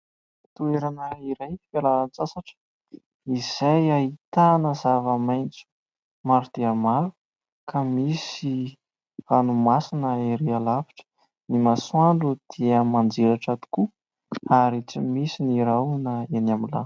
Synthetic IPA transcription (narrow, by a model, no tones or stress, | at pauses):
t̪ueɾanəiɾajfalaant͡sasaʈ͡ʂə̥ | iz̥ajait̪anəzavəmajnt͡su̥ | maɾud̪̥eəmaɾu | kʰamisi | vanumasinəeɾealavi̥ʈ͡ʂə̥ | nimaswaɳɖ͡ʐud̪̥eəmand͡zelaʈ͡ʂat̪u̥ku | aɾit͡simisiniɾawnəenamila̰n